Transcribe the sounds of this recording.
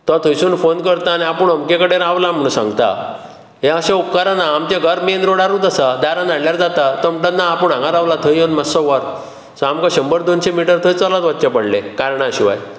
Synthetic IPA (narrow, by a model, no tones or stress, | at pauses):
t̪ɔt̪ʰəjsuːnfonkəɾt̪aniapəɳəmkekəɽeɾaʋlam̤əɽ̃ũsã̰ŋɡt̪a̰ | ɦeəɕaupkaɾanaːmt͡ɕaɡʱəɾmenɾoɽaɾuːt̪əsad̪aɾãnd̪aɽljaɾd͡zat̪at̪əmʈə̃t̪naːpəɳãŋɡaɾaʋlat̪ʰəjonməsɔʋaɾ | sɔamkaɕəmbəɾd̪onɕemiʈəɾt̪ʰəjt͡sɔlat̪ʋatːt͡ɕapəɽlḛkaɾɳaəɕiʋa̰j